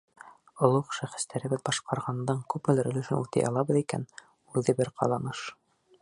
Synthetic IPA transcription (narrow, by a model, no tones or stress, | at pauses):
ŏlˠqʃæχɘ̥̆st̪æɾɘ̆βɘðbɑʃqɑɾʁɑnd̪ɑɴkʉpmɘ̆læɾɵ̆lɵ̆ʃɘnʉt̪ɘ̰jʔɑ̰lˠɑβɤðikæ̰n | ʉðɘbɘɾqʰɑ̰lˠɑnɤʃ